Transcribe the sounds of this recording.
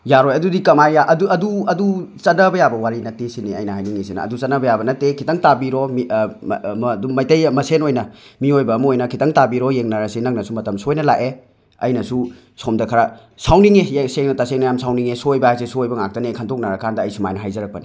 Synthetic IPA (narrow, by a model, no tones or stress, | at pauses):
jaɾojɐdudikɐmajjaʔɐduɐduɐdut͡ʃɐnɐbɐjabɐwaɾinɐtesiniɐjnɐhajniŋisinɐ̰ɐ̰dut͡ʃɐtnɐbɐjabɐnɐtekʰitɐŋtabiɾɔmi | dumɐjtɐjmɐsenojnɐmiojbɐːmɐojnɐkʰitɐŋtabiɾɔjeŋnɐɾɐsinɐk̚nɐsumɐtɐmsojnɐla̰ʔe | ɐ̰jnɐsu | somdɐkʰɐɾa | sawniŋejseŋnɐtaseŋnɐjamsʰawniŋesojbɐasesuojbɐŋak̚tɐnekʰantʰok̚nɐɾɐkʰandɐːjsuma̰jnɐɦajzɐɾɐk̚pɐni